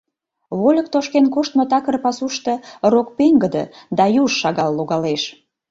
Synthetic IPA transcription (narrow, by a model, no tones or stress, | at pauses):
βolʲək̚t̪oʃkenkoʃt̪mot̪ɑkərpɑsuʃt̪ɤ̆rok̚peŋɡəd̪ə̰d̪ɑjuʃʃɑɣɑlːoɣɑleʃ